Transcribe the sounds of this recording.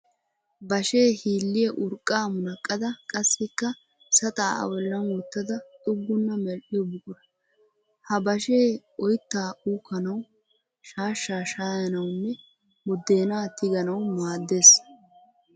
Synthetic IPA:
bɐʃe̞ːhiːlːɪjɛʔʊɾkʼːaːmʊnɐkʼːɐd̪ɐkʼɐsːɪkːɐ | sɐt̪ʼaːɐ̰wɔlːɐnwɔt̪ːɐd̪ɐt̪ʼʊɡːʊnːɐmɛlɗɪjɔbʊkʼʊɾɐ | hɐbɐʃeːɔjt̪ːaːʔuːkːɐnɐw | ʃaːʃːaːʃaːjɐnɐwʊnːɛ | wɔd̪ːe̞ːnaːt̪ɪɡɐnɐwmaːd̪ːe̞ːs

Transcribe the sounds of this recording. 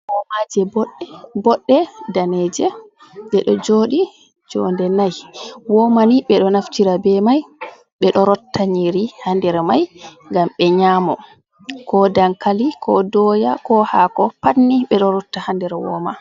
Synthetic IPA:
wɔmad͡ʒɛbɔɗbɔɗːɛdaned͡ʒɛ | ɓɛɗɔd͡ʒoːɗi | d͡ʒɔ̰ndɛnajwɔmaniɓɛɗɔnaftiɾabɛmaj | ɓɛɗɔɾɔtːaɲiɾihandɛɾmajŋɡamɓɛɲaːmɔ | kɔdaŋkalikʰɔdɔjakɔhakɔpanːiɓɛɗɔɾɔtːahandɛɾwɔ̰ma

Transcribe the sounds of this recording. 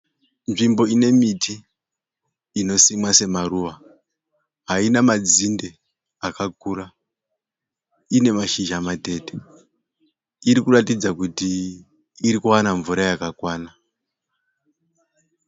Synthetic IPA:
nʐimbo̞ine̞miti | no̞simwase̞maruʋa | ɦainamad͡zinde̞ | akak̚uːra | ine̞maʃiʒamate̞te̥ | iɾikuratid͡zakuti | iɾikuwanaɱvuɾajakakwaːna

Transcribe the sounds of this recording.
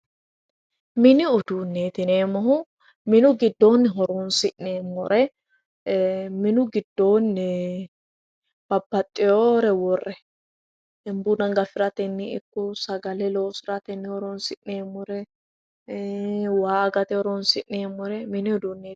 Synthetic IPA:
mɪnɪʊd̪unːeːt̪ɪneːmɔɦʊ | mɪnʊɡɪd̪ːo̞ːnːɪɦɔɾoːnsɪʔneːmːɔɾʔɛ | mɪnʊɡɪd̪ːoːnːɪ | b̥ɐbːɐt̪ʼːɪjoːɾɛwɔrːɛ | ɛmbunɐŋɡɐfɪɾɐt̪ɛnːɪɪkːʊsɐɡɐlɛlo̞ːsɪɾɐt̪ɛnːɪhɔɾoːnsɪʔneːmːɔɾɛ | waːɐɡɐt̪ɛhɔɾoːnsɪʔneːmːɔɾɛmɪnɪʊd̪uːnːeː

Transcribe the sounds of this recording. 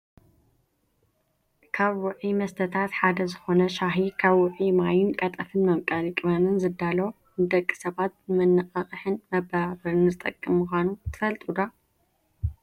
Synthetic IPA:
kʰaβwʊʕimɐst̪ʰɐt̪ʰat̪ħad̪ɐzɨxo̞nɐʃaɦikʰaβwʊʕimajɪnkʼɐt̪ʼɐfɨnmɐmkʼalikʼβɐnɨnzɨd̪alɐ | nɨd̪ɐkʼːi̥sɐβat̪̚mɨnːɨqʼɐχʼɨħɨnmɐbaβɐɾɨnzɨt̪ʼɐkʼːɨmmuxʷanut̪ʰɨ̥fɐlt̪ʼud̪a

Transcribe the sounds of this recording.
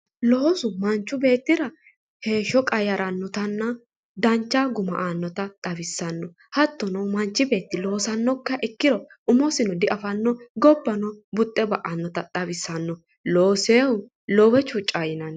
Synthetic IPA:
loːsʊmɐnt͡ʃːʊbe̞ːt̪ːɪɾɐ | he̞ːʃɔkʼɐjɐɾɐnːɔt̪ɐnːɐ | d̪ɐnt͡ʃːaɡʊmɐ̰ʔaːnːɔt̪ɐt̪ʼɐβɪsːɐnːɔ | hɐt̪ːɔnɔmɐnt͡ʃːɪbe̞ːt̪ːɪlo̞ːsɐnːɔkːɐʔɛkːɪɾɔ | ʊmɔsɪnɔd̪ɪʔɐfɐnːɔɡɔbːɐnɔbʊt̪ʼːɛbɐʔɐnːɔt̪ɐt̪ʼɐbɪsːɐnːɔ | loːseːwʊ | lɔwɛt͡ʃʊt͡ʃʼːajɪnɐn

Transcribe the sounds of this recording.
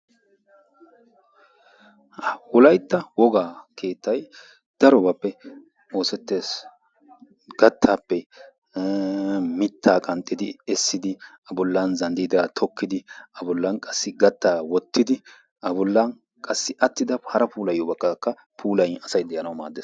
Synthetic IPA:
wɔlɐjt̪ːɐwɔɡaːkʰe̞ːt̪ːɐj | d̪̥ɐɾɔbapːɛ | o̞ːsɛt̪ːe̞ːs | ɡ̥ɐt̪ʰːaːpːɛ | mɪt̪ʰːaːkʼɐnt̪ʼːɪd̪ɪɛsːɪd̪ɪ | ɐbʊlːɐnzɐnd̪id̪at̪ʰɔkːɪd̪ɪɐbʊlːɐnkʼɐsːɪɡɐt̪ːaːwɔt̪ːɪd̪ɪ | ɐbʊlːɐn | kʼɐsːɪʔɐt̪ːɪd̪ɐhɐɾɐpuːlɐjoːbɐkːɐkːɐ | pʰuːlɐjɐsɐjd̪ɛjɐnɐwma̰ːd̪ːeːs

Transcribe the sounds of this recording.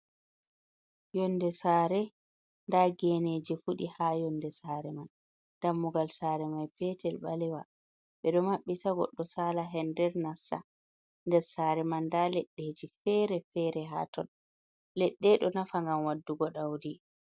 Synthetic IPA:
jɔnːdɛsaːɾɛ | ndaɡɛned͡ʒifuɗihajɔndɛsaɾɛman | d̥amːuɡalsaːɾɛmajpɛtɛlɓalɛwa | ɓɛɗɔmaɓːitaɡɔ̰ɗːɔsaːlaɦɛndɛɾnasa̰ | ndɛɾsaːɾɛmandalɛɗːeːd͡ʒifɛːɾɛfɛɾɛɦa̰tɔn | lɛɗːɛɗɔnafaŋɡamwadːuɡɔɗawdi

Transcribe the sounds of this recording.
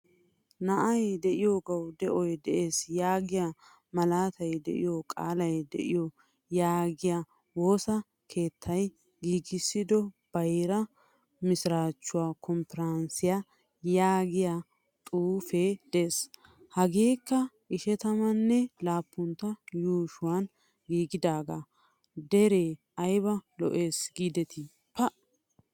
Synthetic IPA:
nɐʔɐjd̪ɛʔɪjoːɡɐwd̪ɛʔɔjd̪ɛʔe̞ːsjaːɡɪja | mɐlaːt̪ɐjd̪ɛ̰ʔɪ̰jokʼa̰ːlɐjd̪ɛ̰ʔɪjɔ | jaːɡɪja | wo̞ːsɐ | kʰe̞ːt̪ʰːɐj | ɡiːɡɪsːɪd̪ɔb̥ɐjɾɐ | mɪsɾaːt͡ʃːʊwaːkɔmpɛɾɐnsɪja | jaːɡɪjaː | t̪ʼuːfeːd̪̥eːs | hɐɡeːkːɐ | ʔɪʃɛt̪ɐmɐnːɛlaːpːʊnt̪ːɐjuːʃʊwan | ɡiːɡɪd̪aːɡa | d̪ɛɾeː | ɐjbɐlɔ̰ʔe̞ːsɡiːd̪ɛt̪ʰɪ | pːɐʔ

